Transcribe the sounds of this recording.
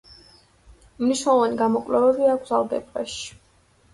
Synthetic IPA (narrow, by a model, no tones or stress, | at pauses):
mniʃnɛlˠɔvaniɡamɔkʼlɛvɛbiakɡʰbd̪zalˠd̪ɛ̰bbaʃi̥